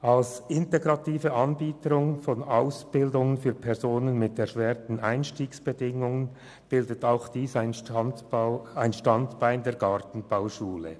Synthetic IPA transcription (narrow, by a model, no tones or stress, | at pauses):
ʔɑlsɪnteɡʁɑtʰiːfəɑnbiːtəɾʊŋfɔnaʊsb̥ɪldʊŋənfyːɐpʰɛɐzoːnənmɪtɛɐɾʃvɛːʁtn̩aɪnʃtiːksb̥ədɪŋʊŋən | b̥ɪldətaʊxd̥iːsaɪnɑ | aɪnʃtɑntb̥aɪndeːɐɡɑʁtn̩b̥aʊʃuːlə̰